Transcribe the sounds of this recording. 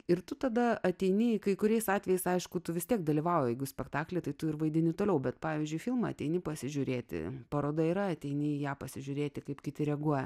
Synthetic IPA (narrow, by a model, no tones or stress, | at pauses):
ɪɾt̪ʊt̪ɐd̪ɐɐt̪ʲɛɪnʲɪkɐɪkʊɾʲɛɪsɑːt̪ʲʋʲɛjɛɪsɐɪʃkʊt̪ʊʋʲɪst̪ʲiɛk̚d̪ɐlʲiʋɑʊjɛjɛɪɡʊsʲpʲɛkt̪ɑːklʲɛt̪ɐɪt̪ʊɪrʋɐɪd̪ʲɪnʲɪt̪oːlʲɛʊbʲɛt̪pɑːʋʲiːzʲd͡ʒʲʊɪfʲɪlˠmɐ̰ɐ̰t̪ʲɛɪnʲɪpɐsʲɪʒʲʊɾʲeːt̪ʲɪ̰pɐɾoːd̪ɐiːɾɐɐt̪ʲɛɪnʲɪjæːpɐsʲɪʒʲʊɾʲeːt̪ʲɪkɐɪpkʲɪt̪ʲɪɾʲɛɡuɔjɛ